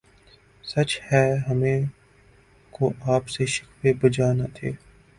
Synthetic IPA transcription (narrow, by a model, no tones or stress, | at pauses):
sɐt͡ʃhɛːɦɐmẽ | koʔaːpseʃɪ̥kfebɐd͡ʒaːnat̪ʰḛː